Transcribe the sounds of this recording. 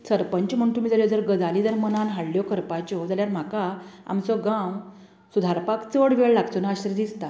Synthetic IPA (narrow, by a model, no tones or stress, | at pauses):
səɾpəɲt͡ɕm̤əɳt̪umid͡zəljɔd͡zəɾɡəd͡zalid͡zəɾmənanɦaɽljɔkəɾpat͡ɕɔd͡zaljaɾm̤akaa̰mt͡sɔɡaw | sud̪ʱaɾpakt͡səɽʋeɭlaɡt̪onaaɕəɾd̪ist̪a